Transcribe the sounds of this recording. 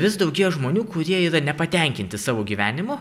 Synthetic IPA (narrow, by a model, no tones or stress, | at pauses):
ʋʲɪsd̪ɒʊɡʲiːʒmoːnʲuːkʊɾʲiɛɪɾɐnʲɛpɐt̪ʲɛŋʲkʲɪnʲt̪ʲɪsɑːʋoːɡʲiːʋʲæːnʲɪmʊ